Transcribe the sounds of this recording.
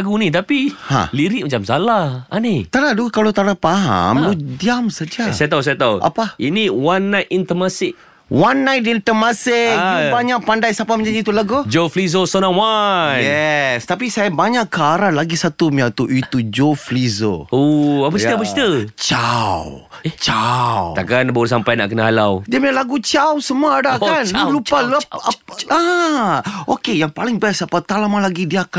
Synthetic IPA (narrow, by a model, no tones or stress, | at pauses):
aɡunit̪apihã̰liɾiʔ̚mat͡ʃamsalaha̰nit̪anadukalot̪aɾapaɦa̰mudiamsad͡ʒasajat̪̬aus̬ajat̪aʔa̰painiwanːajt̪int̪əmasɪk̚ | wanːajt̪int̪əmasɪk̚baɲaʔpandajsapamə̃ɲd͡ʒadit̪ulaɡod͡ʒoflizosɔnawanjɛst̪apisajabaɲaʔkːaɾalaɡisat̪umiat̪uʔit̪ud͡ʒoflizo̰oapət͡ʃiəapət͡ʃi̥t̪ət͡ʃaw | t͡ʃawt̪aʔkanbaus̬ampajnaʔkənəɦalawdiamialaɡut͡ʃawsəmuadaanlupalapaa | okejaŋpalɪŋbɛsapat̪alamalaɡidiaka